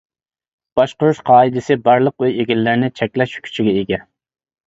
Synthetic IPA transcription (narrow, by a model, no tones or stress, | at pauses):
b̥ɑʃqʊɾuʃqʰɑːɨd̪ɪsɪbɑɾlˠəqyjeɡʲilːɪɾnɪt͡ʃʰɛkʲlɛʃkʲʰy̥t͡ʃʰiɡʲɛeɡʲɛ